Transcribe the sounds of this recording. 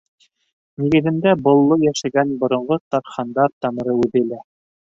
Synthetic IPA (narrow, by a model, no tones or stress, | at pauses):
niɡɘ̆ðɘ̆nd̪æbŏlˠːojæʃæɡænbŏɾŏɴʁot̪ɑɾχɑnd̪ɑɾt̪ɑmɤ̆ɾɤʉðɘ̆læ